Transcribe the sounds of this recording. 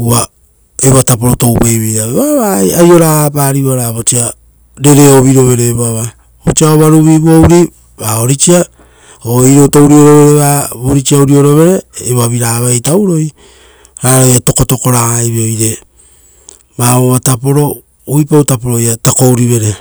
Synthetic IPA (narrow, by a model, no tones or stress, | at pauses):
ua | eβatapo̞ɾoto̞wpejβejɾaβeβaβaajo̞ɾapaːɾiβaɾaβot͡ʃia | ɾe̞ɾe̞oβiɾo̞βe̞ɾeːβaβa | ot͡ʃiaoβaɾuβiβowɾi | βao̞ɾit͡ʃia | oiɾoto̞wɾio̞ɾo̞βe̞ɾeβaβoɾit͡ʃiawɾio̞ɾo̞βe̞ɾe̞ːβaβiɾaːβajtawɾo̞j | ɾaːɾojato̞ko̞to̞ko̞ɾajβeojɾe̞ | βaβoβatapo̞ɾo̞ | ujpaowtapoɾojatako̞wɾiβe̞ɾe̞